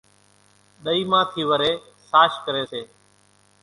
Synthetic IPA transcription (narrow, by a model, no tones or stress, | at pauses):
ɗ̪əiːmãːk̪ʰiːʋəɾeː | saːʃkəɾeːseː